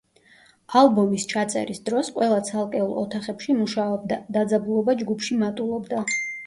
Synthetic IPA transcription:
alˠbɔmist͡ʃʰat̪sʼɛ̰ɾisd̪ɾɔsqʼwɛlˠat̪sʰalˠkʼɛulˠɔ̰t̪ʰaχɛpʃimuʃaɔbd̪d̪ad̪zabulˠɔbad͡ʒɡupʰʃimat̪ʼulˠɔbd̪a

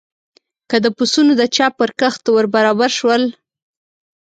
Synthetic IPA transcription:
kəd̪əpusunod̪ət͡ʃɑpəɾkəxt̪awəɾbaɾɑbaɾʃwəl

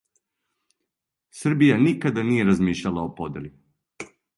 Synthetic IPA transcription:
sr̩bijanikad̪anije̞ɾazmiːʃlʎalˠaopo̞d̪eli

